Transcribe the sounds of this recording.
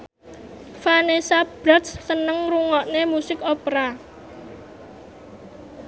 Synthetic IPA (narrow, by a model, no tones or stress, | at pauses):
fanesab̥ɾat̪sːənəŋruŋɔʔnemusɪkopɾa